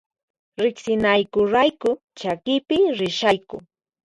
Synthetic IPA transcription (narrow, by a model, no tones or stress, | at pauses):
ɾɪksɪnajkʊɾajkʊ | t͡ʃakɪpɪɾɪʃajkʊ